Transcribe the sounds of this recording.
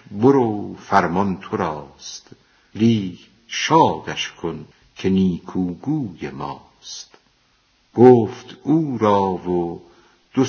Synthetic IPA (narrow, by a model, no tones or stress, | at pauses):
boɾoːfæɾmɒnt̪ʰoɾɒːst̪ | liːh | ʃɒːd̪æʃkʰon | kʰeniːkʰuːɡuːjemɒ̰ː | st̪ | ɡ̥oːft̪uːɾɒːvo | d̪̥o